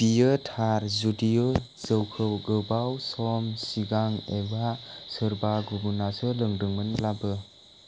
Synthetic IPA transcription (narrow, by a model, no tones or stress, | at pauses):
b̥ijɯtʰaɾzudijɯ | z̥əwkʰɯwɡɯbawsɔmsiɡaŋebasɯɾbaɡubunasɯlɯŋdɯŋmɯnlabɯ